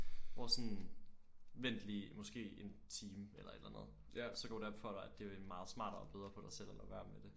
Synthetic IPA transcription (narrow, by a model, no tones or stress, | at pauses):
ɒsɔ̽n | ʋen̰d̥limɒ̽sɡ̥e̝̰ːe̝nt͡sʰiːmelɐe̝d̥lænəð̞̩ˠ | sɒ̽ɡ̥ɒ̰ːud̥æb̥fɒ̰dɑ̈ɪæd̥e̝mɑ̈ːð̩ˠsmɑ̰̈ːɾ̥ɐɒ̽b̥eð̞ˠʁɐːpʰɒɾɑ̈ɪsel̰elʔɐʋæɐmed̥e̝